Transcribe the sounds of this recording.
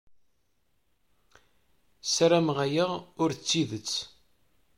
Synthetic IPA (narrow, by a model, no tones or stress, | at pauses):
sɾæmʁæjəʁʊɾt͡sːiðət͡sː